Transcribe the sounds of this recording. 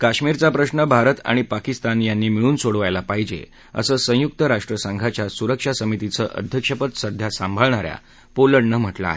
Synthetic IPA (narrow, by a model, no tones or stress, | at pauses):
kaɕmiɾt͡sapɾəɕnəbʱaɾət̪a̰ɽ̃ipakist̪anjanːiːmiɭuːnsoɽʋajlapaɦid͡ʑḛ | ə̰səːsə̃juk̚t̪əɾaʂʈɾəsaŋɡʱat͡ɕjasuɾəkʂasəmit̪it͡səʔə̰d̪ʱjəkʂəpət̪səd̪ʱjasambʱəɭɳ̃aɾja̰ | poləɽɳəm̤əʈla̰e